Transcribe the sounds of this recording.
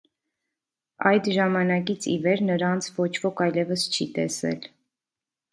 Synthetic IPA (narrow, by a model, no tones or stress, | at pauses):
ɑjd̪ʒɑmɑnɑkit͡sʰḭvɛɾnəɾɑnt͡sʰvɔt͡ʃʰvɔkʰɑjlɛvəst͡ʃʰit̪ɛ̰sɛ̰l